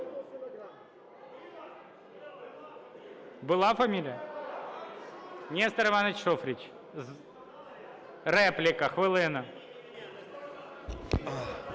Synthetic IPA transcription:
bɨlˠafɐmʲilʲɪjə | nʲest̪ɐɾɨmanɐt͡ɕʂofɾʲɪt͡ɕ | z | ɾɛplʲɪkɐxʋɨlˠɨnɐ

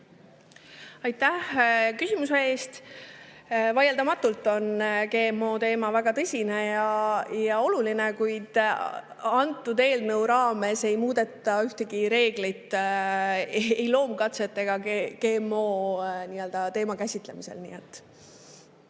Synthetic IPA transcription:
ɑjt̪ːæhkysʲimuse̞e̞ːst̪ | vɑjeld̪ɑmɑt̪ːˑult̪ːˑo̞nke̞ːmːo̞ːt̪e̞ːmɑvæɡ̥ɑt̪ɤsʲine̞jɑjɑo̞lulinekujd̪̥ | ɑnt̪ːˑud̪e̞ːlnɤwɾɑːme̞se̞jmuːd̪̥e̞t̪ːˑɑyht̪e̞ɡiɾe̞ːɡ̥lit̪ː | ejlo̞ːmkɑt̪se̞t̪ːˑe̞ɡ̥ɑeke̞ːmːo̞ːniːø̞ld̪ɑt̪e̞ːmɑkæsʲit̪ˑle̞mise̞̰lnḭːet̪ːˑ

